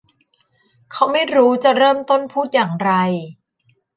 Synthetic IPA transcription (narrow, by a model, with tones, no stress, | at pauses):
kʰa˦˥wma˥˩jɾuː˦˥t͡ɕa˨˩ʔɾɤː˥˩mt̪o˥˩npʰuː˥˩t̪̚jaː˨˩ŋɾa˧j